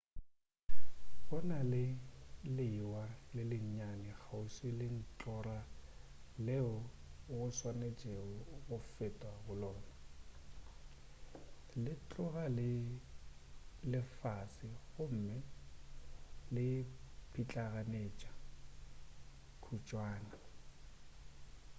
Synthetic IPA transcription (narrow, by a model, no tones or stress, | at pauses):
ɣʊnalɪlɪwalɪlɪɲ̩ɲanɪɣʰausɪlɪn̩t͡ɬʼɔra | lɛʊɣʊswanet͡ʃʼeɔɣʊfetʼwaɣʊlɔːnɔ | lɪt͡ɬʼʊɣalɪ | lɪfasɪɣʊm̩ːmɪ | lɪpʰit͡ɬʼaɣaneːt͡ʃʼḁ | kʰut͡ʃʼwaːna